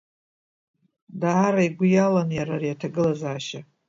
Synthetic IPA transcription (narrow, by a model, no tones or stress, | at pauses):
daaɾaiɡʷʊjalanjaɾarijatʰaɡɨlazaːʃa